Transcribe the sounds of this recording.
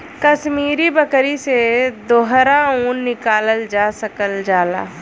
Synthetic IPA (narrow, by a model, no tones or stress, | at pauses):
kəʃmiːɾibəkɾised̪oːɦɾaũːnːɪkaːləld͡ʒaːsəkəld͡ʒaːla̰ː